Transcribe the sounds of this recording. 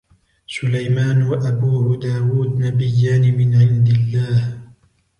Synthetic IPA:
sʊlajmaːnwaʔabuːhʊd̪aːwuːd̪nabɪjːaːnɪmɪnʕɪnd̪ɪlːaːh

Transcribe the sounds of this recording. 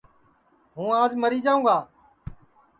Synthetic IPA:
ɦũːaːd͡ʒməɾiːd͡ʒaːũːɡaː

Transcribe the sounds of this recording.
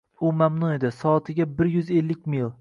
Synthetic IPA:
ʊmamnʊe̞d̪ɪsɒːt̪ʰɪɡʲabɪɾjʊze̞lːɪkʲmilˠ

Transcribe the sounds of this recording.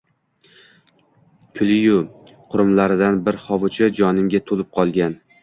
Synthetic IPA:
kʲʰʊlɪjʊ | qʰʊɾʊmlaɾɪd̪anbɪɾχɒvʊt͡ʃʰɪd͡ʒɒnɪmɡʲat̪ʰolɪp̚qʰɒlˠɡʲan

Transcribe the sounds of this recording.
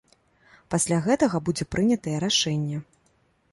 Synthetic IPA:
pasʲlʲaɣɛt̪ɐɣɐbud͡zʲɛpɾʔɨnʲɐt̪ɐjɛɾaʂɛnʲːɛ

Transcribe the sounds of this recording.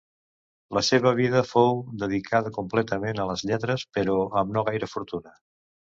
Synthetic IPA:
ləseβəβ̞iðəfowd̪əð̞ikʰaðəkumplɛt̪əmenələzʎɛt̪ɾəspəɾoəmnoɣajɾəfuɾt̪unə

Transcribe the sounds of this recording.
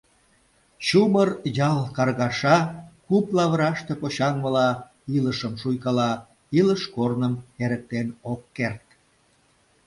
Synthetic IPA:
ɕumərjɑlkɑrɣɑʃɑkuplɑβəɾɑʃt̪epoɕɑŋβəlɑ | iləʃəmʃujkɑlɑ | iləʃkornəmeɾək̚t̪enokːert̪̚

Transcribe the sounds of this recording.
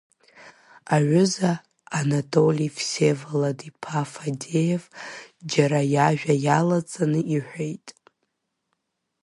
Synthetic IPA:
aʕʷʊzaː | natʼolʲifsevaladipʰafade̞jevd͡ʒaɾajaʒᶣajalat͡sʼanɨiħʷᶣejtʼ

